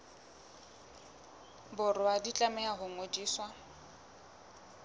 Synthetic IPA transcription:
bʊrʊadit͡ɬʼamɛaɦʊŋodiːswa

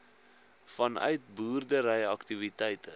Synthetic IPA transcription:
fɐnœ̰ɥt̚buːrdəɾɛjɐktivitɛjtə

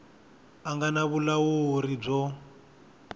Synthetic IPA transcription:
aŋɡanaβulawoɾib͡ʐɔ

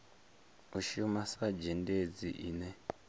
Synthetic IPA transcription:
uʃiumasad͡ʒended͡ziʔiːnɛ

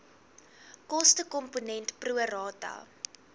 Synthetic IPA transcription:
kɔstəkɔmponɛntpruəɾɑːtɐ̰

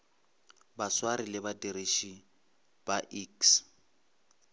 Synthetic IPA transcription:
baswaɾilɪbadeɾeʃi | b̥aʔiks

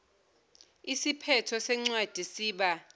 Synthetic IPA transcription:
isipʰɛtʰɔsɛŋ͡ǀwad̥ʱisiːɓa

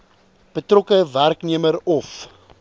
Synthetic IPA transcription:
b̥ətrɔkəværkniəmərɔf

